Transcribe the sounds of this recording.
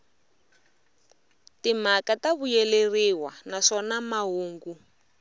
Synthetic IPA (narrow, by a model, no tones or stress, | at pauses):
tim̤akataβujɛleriwanaʂɔnamaɦuːŋɡu